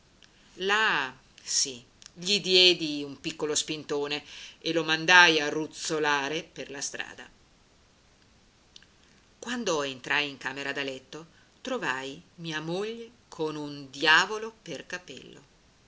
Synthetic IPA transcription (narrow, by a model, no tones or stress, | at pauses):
la | si | ʎid̪jɛːd̪iumpikːolospint̪oːneelomand̪ajarːut̪solaːɾeperlast̪ɾa̰ːd̪a̰ | kwand̪oent̪ɾʔajiŋkaːmeɾad̪alɛt̪ːo | t̪ɾovajmiːamoʎːe | kʰonund̪jaːvoloperkapɛ̰lːo̰